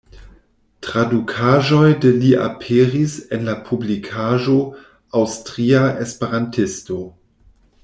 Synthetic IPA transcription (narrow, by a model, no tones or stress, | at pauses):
tʁadukʰaʒo̞jdeliʔa̰pʰeɾisenlapʰublikʰaʒo̞ | awstʁiaʔespeɾantʰɪsto̞